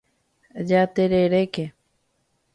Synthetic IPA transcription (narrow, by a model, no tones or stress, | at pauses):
d͡ʒat̪eɾeɾeke